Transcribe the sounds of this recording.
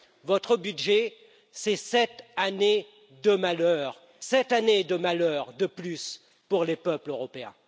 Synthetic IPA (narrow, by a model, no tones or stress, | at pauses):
vɔt̪χəbyd̪ʒe | sɛsɛt̪ane | d̪əmalœːʁ | sɛt̪aned̪əmalœːʁd̪əplys | puʁlepœpløʁɔpeɛ̰̃